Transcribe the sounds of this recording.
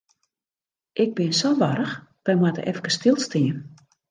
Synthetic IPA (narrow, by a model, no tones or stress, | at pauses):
ʔɪɡ̚bɪnsoʋaɾəxʋɛjmwatə̰ʔɛfkəstɪlˠstiən